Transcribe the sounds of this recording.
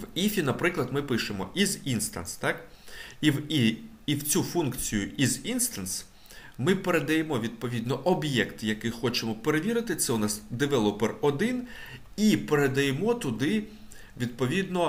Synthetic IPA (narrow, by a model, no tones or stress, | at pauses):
ʋifʲinɐpɾɪklˠɐd̪mɪpɪʃemɔ̰ʔizinst̪ɐ̰nst̪ɑk | iwiː | wt͡sʲufunkt͡sʲijʊʔizinst̪ɐns | mɪpeɾed̪ɐjemɔʋʲid̪̚pɔʋʲid̪nɔʔɔbjɛkt̪jɐkɪxɔt͡ʃemɔpe̞ɾeʋʲiɾɪt̪ɪt̪sɛʊnɑsd̪eʋɛlˠɔperɔd̪ɪn | ipe̞ɾed̪ɐjemɔt̪ʊd̪ɪ | ʋʲid̪̚pɔʋʲid̪nɔ